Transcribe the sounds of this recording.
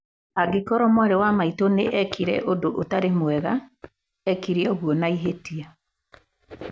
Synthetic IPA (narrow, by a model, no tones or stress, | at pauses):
aɡekɔɾɔmwaɾewamaitoneʔɛkʰiɾɛ̰ʔodoʔotaɾemwɛɣa | ɛkiɾeɔɣwɔnaiɦetia